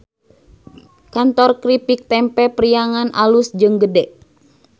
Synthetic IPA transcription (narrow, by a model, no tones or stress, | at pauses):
kant̪ɔrkɾipik̚t̪ɛmpɛpɾijaŋanʔalusd͡ʒɨŋɡədɛʔ